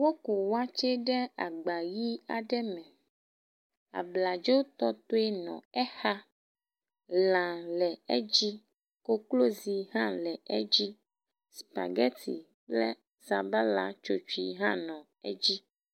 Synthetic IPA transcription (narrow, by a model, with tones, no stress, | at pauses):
wo˦ku˨wa˦t͡ʃe˦ɖɛ˦a˨ɡ͡ba˨ji˦a̰˨ɖɛ˦mɛ̃˨ | a̰˨bla˨d͡ʒo˦wt̪ɔ˦t̪o˦e˦nɔ̰̃˨ɛ˦xa˦ | lã˨lɛ˨ɛ˦d͡ʑi˦ | ko˦klo˦zi˨ɦã˦lɛ˨ɛ̰˦d͡ʑi˦ | spa̰˨ɡɛ˦t̪ʰḭ˨ | lɛ˦ | sa˨ba˦la˦t͡ʃo˨t͡ʃu˨i˨ɦã˦nɔ̃˨ | ɛ̰˦d͡ʑi˦